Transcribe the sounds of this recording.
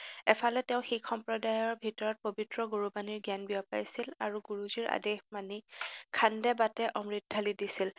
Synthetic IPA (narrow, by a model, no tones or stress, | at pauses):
ɛpʰalɛtɛʊ̃xikʰːɔmpɹɔdajɔɹbʱitɔɹɔt̚pobitɹɔɡoɹubaniɹɡjanbiɔpa̰jsilaɹuɡuɹuziɹa̰dexmanikʰandɛbatɛʔɔmɹidʱalidisil